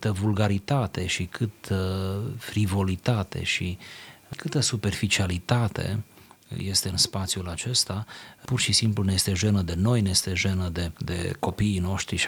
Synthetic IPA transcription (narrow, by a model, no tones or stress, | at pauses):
t̪əvulɡaɾit̪at̪e̞ʃikʰɨt̪əfɾivo̞lit̪at̪e̞̰ʃikʰɨt̪əsupe̞rfit͡ʃialit̪at̪e̞̰ | je̞st̪e̞ɨnspat̪sʲjulat͡ʃe̞st̪apurʃisimpluneest̪eʒe̞nəd̪e̞no̞jneest̪e̞ʒe̞nəd̪e̞d̪e̞̰ko̞piːno̞ʃt̪ɾiʃ